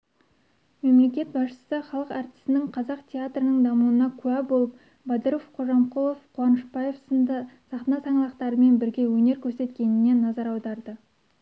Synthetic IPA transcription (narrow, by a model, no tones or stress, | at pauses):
me̞mle̞kʲe̞t̪̚bɑsʃə̥səχɑlˠəqɑɾt̪ɪi̥st̪ɪnɪŋqʰɑzɑqt̪ʲʰe̞at̪rənəɴd̪ɑmuənɑkʲʰʉæbo̞lˠəp̚ | bɑd̪əɾofqʰo̞ʒɑmqulˠofqʰuɑnəʃbɑjefsnsɑχt̪ənɑsɑɴlˠɑqt̪ɑɾəme̞nbɪɾɡʲe̞wɵne̞ɾkʲʰɵɾse̞t̪kʲe̞nɪne̞nːɑzɑɾɑwd̪ɑɾd̪ə